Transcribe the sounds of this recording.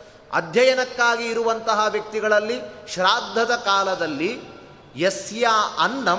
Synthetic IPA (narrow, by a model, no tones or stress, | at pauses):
ɐ̰d̪ʱjɐjɐnɐkːaːɡiːɾuʋɐnt̪ɐɦɐʋjɐk̚t̪iɡɐɭɐlːiʃɾaːd̪ʱːɐd̪ɐkaːlɐd̪ɐlːi | jesjaːɐnːɐ